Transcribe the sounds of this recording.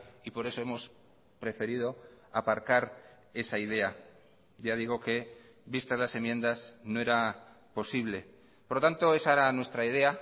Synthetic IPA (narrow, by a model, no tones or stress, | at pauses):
ipo̞ɾe̞so̞e̞mo̞s | pɾe̞fe̞ɾið̞o̞apaɾkaɾ | e̞saið̞e̞a | ʝaðiɣ̞o̞ke̞ | βist̪azlase̞mjẽ̞nd̪aznoe̞ɾa | po̞siβle̞ | poɾlot̪ant̪o̞e̞saɾanwe̞st̪ɾaið̞e̞a